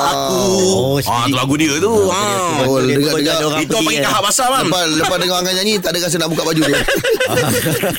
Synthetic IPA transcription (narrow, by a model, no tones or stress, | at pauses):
a | u | at̪laɡudiət̪u | dəɡaəɡait̪opaɡikaɦabasamaəpadəpat̪dəŋaaŋaɲanit̪aʔdəkas̬ənaʔbukaʔbad͡ʒut̪u